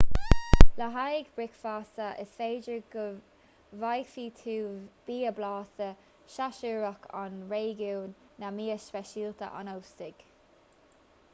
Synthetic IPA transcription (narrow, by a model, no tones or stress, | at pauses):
ləɦajɡbɹɪkfaːsəʔɪ̰sfeːd͡ʒəɡ | vajfiːt̪ʰuːb̥iːəblaːsə | ʃaʃəɹakʰa̰nɹeːɡuwnːamiːəspɛʃiːltə̰ʔa̰nowstɪɡ̥